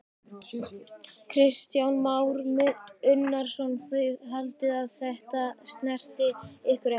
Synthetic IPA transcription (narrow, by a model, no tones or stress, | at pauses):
kʰɾɪst̪jawnmaːwɾmʏnːaɾ̥sɔnθœjðɦalt̪ɪðaðθɛht̪ast̪nɛr̥t̪ɪɪhkʏɾɛ